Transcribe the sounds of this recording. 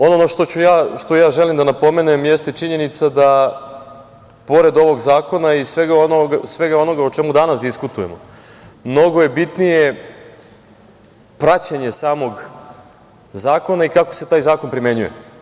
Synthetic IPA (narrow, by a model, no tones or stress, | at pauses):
o̞nonoʃt̪o̞t͡ɕujaːʃt̪ojaːʒelimd̪anapo̞me̞nemjest̪e̞t͡ʃiɲe̞nit̪sad̪a | po̞ɾe̞d̪o̞ʋo̞ɡzaːko̞naisʋe̞ɡaonoɡsʋe̞ɡao̞no̞ɡaot͡ʃemud̪anasd̪iskut̪uje̞mo | mno̞ɡo̞je̞bit̪nije̞ | pɾat͡ɕaɲe̞saːmo̞ɡ | zaːko̞naikako̞set̪aːjzaːko̞npɾimje̞ɲujḛ